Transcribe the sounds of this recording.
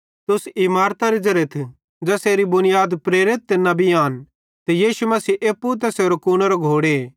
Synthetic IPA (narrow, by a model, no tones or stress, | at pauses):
t̪ʊsimaːɾt̪aɾid͡ʒɐɾet̪ʰ | d͡ʒɛːseːɾibʊnɪjaːd̪pɾeːɾɪt̪ːnɐbiaːn | t̪ɛjiːʃumɐsiːʔeːpːut̪̬ɛseːɾokuñaɾoɡʱoːɽeː